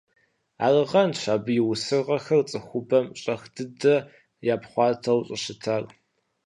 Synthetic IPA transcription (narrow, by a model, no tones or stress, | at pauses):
a̰ːrɨʁɐnʃaːbɨjɪwʊsɨrʁɐxɐrt͡sʼɨxʷʊbɐmɕʼɐxdɨdɐ | jaːpχʷɑːtʰɐwɕʼɪɕɪtʰar